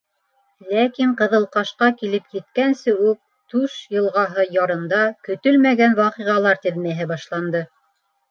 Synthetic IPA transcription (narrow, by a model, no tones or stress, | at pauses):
lækiɴqɤ̆ðɤ̆lˠqɑʃqɑkilɘpjɘ̆t̪kænsɘʉk̚ | t̪ʉʃjɤ̆lˠʁɑɦɤjɑɾɤ̆nd̪ɑkɵ̆t̪ɵlmæɡænwɑqiʁɑlˠɑɾt̪ɘ̆ðmæɦɘbɑʃlˠɑnd̪ɤ